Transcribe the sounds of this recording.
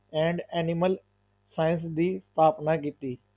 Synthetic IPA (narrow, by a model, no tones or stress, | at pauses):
ɛ̃ːɳɖɛːnɪməl | saːjə̃ns̬d̪iːst̪ʰaːpnaːk̬iːt̪iː